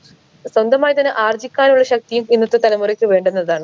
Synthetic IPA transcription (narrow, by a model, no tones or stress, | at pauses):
swɐnd̪ɐmaːjt̪ɐnːeʔaːrd͡ʑikʲːaːnuɭːɐɕɐk̚t̪ijuminːɐt̪ːɨt̪ɐlɐmurikʲːɨʋe̞ːɳɖenːɐðaːɳɨ